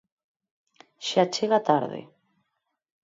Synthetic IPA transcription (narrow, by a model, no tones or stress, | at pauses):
ʃat͡ʃeɣat̪aɾðḛ